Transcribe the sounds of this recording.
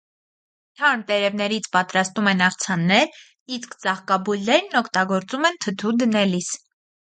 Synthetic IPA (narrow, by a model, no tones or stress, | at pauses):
t̪ʰɑnt̪ɛɾɛvnɛɾit͡sʰpɑt̪ɾɑst̪umɛnɑχt͡sʰɑnːɛɾ | iskt͡sɑχkɑbujlnɛɾnɔkʰt̪ɑɡɔɾt͡sumɛnt̪ʰət̪ʰud̪ənɛlis